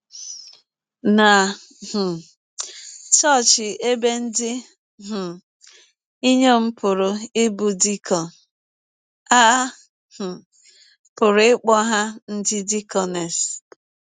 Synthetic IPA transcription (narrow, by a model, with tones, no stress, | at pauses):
na˨ | h̩˨ | t͡ʃɔ˦˨t͡ʃɪ˨e˦be˦n̩˦dɪ˦ | ɦ̩˨ | i˦ɲo˦m̩˦pʊ˨ɾʊ˨ɪ˦bu˨di˦kɔ˨ | a˦ | h̩˨ | pʊ˨ɾʊ˨˦ɪ˦k͡pɔ˦ɦa˦n̩˦dɪ˦di˦kɔ˨nɛ˨s